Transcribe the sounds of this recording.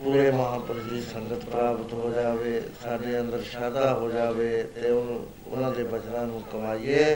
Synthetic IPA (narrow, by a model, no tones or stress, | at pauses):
puːɾeːməɦãːpɾəɾiːsəŋɡət̪pɾaːbət̪ɦoːd͡ʒaːʋeːsaːɖeːənd̪əɾʃaːd̪aːɦoːd͡ʒaːʋeːt̪eːʊn | ʊ̰nãːd̪eːbət͡ʃnãːnũːkəmaːiːeː